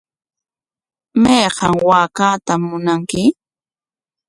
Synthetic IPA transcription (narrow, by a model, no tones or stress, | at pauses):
mɑjɢɑŋwaːkaːt̪amːʊnaŋkɪ